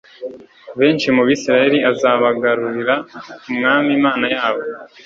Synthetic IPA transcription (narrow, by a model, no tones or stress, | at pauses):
βe̞ːnt͡ʃimuβiːsiɾajeɾiʔazaβaɡaɾuɾiɾaumŋaːmimaːnajaːβo̞